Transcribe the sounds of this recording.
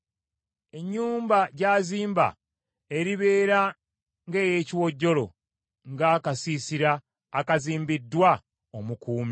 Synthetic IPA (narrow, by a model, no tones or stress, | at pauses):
e̞ɲːuːmbaɟaːziːmba̰ | e̞ɾiβe̞ːɾa | ŋɡe̞ːje̞ːciwo̞ɟːo̞lo̞̰ | ŋɡakasisiɾaː | kaziːmbidːwa | omukuːmi